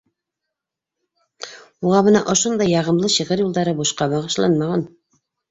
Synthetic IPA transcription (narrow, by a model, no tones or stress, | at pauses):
uʁɑβɤ̆nɑʔŏʃond̪ɑjːɑʁɤ̆mlˠɤɕɤ̆ʁɘɾjulˠd̪ɑɾɤbuʃqɑbɑʁɤ̆ʃlˠɑ̰nmɑʁɑn